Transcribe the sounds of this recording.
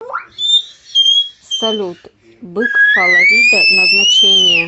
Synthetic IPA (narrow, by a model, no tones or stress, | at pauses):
st̪ɐlʲut̪ | bɨkkɐlˠɐɾʲid̪ɐnɐznɐt͡ɕenʲɪjə